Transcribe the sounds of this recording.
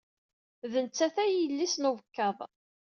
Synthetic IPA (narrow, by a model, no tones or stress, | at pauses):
ðənt͡sːæθæjəlːisnuvəkːɑðˤ